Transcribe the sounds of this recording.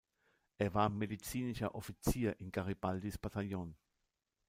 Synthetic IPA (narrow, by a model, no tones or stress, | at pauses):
evamedit͡siːniʃɐʔofit͡siːɐʔiŋkaʁipald̪ispat̪aʎon